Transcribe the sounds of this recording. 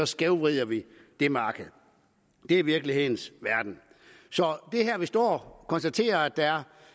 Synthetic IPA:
ɒ̽sɡ̥eʊʋʁiðˠɐʋi | d̥e̝mɑ̈ːɡ̥əð̩ˠ | d̥e̝ɐiʋiɐɡ̥lihe̝ð̰ˠn̩sʋæɐd̥n̩ | sɒ̽d̥e̝ɦæɐʋisd̥ɒ̰ːkʰɒ̽nsd̥æt͡sʰe̝̰ːɐæd̥ææɐ

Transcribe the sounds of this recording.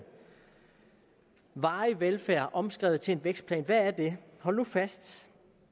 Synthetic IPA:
ʋɑ̈ːɪʋelfæɐ̰ʔɒ̽msɡ̥ʁɛ̰ːʊð̩ˠt͡sʰe̝enʋeɡ̥sd̥pʰlɛ̰ːnʋææɐd̥e̝hɒ̽lnufæsd̥

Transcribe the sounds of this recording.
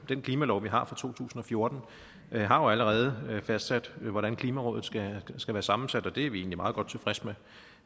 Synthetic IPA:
d̥enkʰliːmælɒʊʋiɦɑ̈fʁɑ̈t͡sʰo̝̰ːt͡sʰṵːsn̩ɒ̽fjo̝ɐd̥n̩ | ɦɑ̈jo̝æləʁɛːð̞̩ˠəfæsd̥sæd̥ʋɒɾænkʰliːmæʁɔ̰̽ːðð̩ˠsɡ̥æsɡ̥æʋæːɐsɑ̈mn̩sæd̥ɒ̽d̥e̝æɐʋie̝̰ːnlimɑ̈ːðˠɡɒ̽d̥̚t͡sʰe̝fʁɛsme

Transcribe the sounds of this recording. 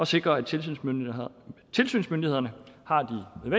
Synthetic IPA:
ɒ̽se̝ɡ̥ʁɐæ̥t͡sʰe̝lsyn | t͡sʰe̝lsy̰ːnsmønd̥ihe̝ðˠɐnəhɑ̈d̥ineðʋe

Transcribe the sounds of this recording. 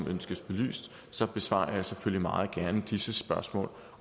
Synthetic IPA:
mʔønsɡ̥əsb̥e̝ly̰ːsd̥ | sɒ̽b̥e̝sʋɑ̰̈ːjaseføl̰limɑ̈ːð̩ˠɡ̥æɐnəd̥isəsb̥ɶɐsmɔ̰̽ːl

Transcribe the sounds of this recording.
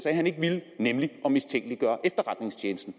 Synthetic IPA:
sɑhæne̝ɡ̥əʋilnemliʔɒ̽mist͡sʰeŋ̰ɡ̥liɡ̥ɶɐʔefd̥ɐʁɑ̈d̥ne̝ŋst͡ɕʰeːnəsd̥n̩

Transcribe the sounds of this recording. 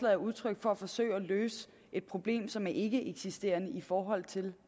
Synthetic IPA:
lɛ̰ð̩ˠɐuð̞ˠt͡sʰʁœɡ̥fɒ̽æfɒ̽sø̰ːɪɒløːsə | ʔe̝d̥̚pʰʁo̝b̥le̝̰ːmsɒ̽mæɐʔe̝ɡ̥əʔeɡ̥sisd̥e̝̰ːɐnəifɒːɦɒ̽l̰t͡sʰe̝l

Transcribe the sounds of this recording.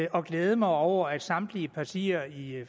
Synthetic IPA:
ɒ̽ɡ̥leːð̞ˠəmɑ̈ɪɒʊ̰ɐæd̥sɑ̈md̥liəpʰɑsʰiɐi

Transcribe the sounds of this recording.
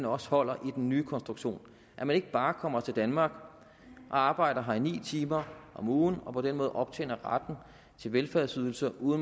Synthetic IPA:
nɒ̽shɒ̽l̰ɐʔid̥enːyːkʰɒnsd̥ʁuɡ̥ɕo̝̰ːn | ʔæmæne̝ɡ̥əb̥ɑ̈ːkʰɒ̽m̰ɐt͡sʰe̝ld̥ænmɑ̈ːɡ̥ | ʔɒ̽ɑ̈ːb̥ɑ̈ɪ̰d̥ɐɦɑ̈inḭːt͡sʰiːmɐʔɒ̽muːn̩ɒ̽pʰɒ̽denmɔ̽ːð̩ˠʔɒ̽b̥̚t͡sʰḛːnɐʁad̥n̩ | t͡sʰe̝lʋelfæɐsyð̞ˠl̩sɐʔuːðˠn̩

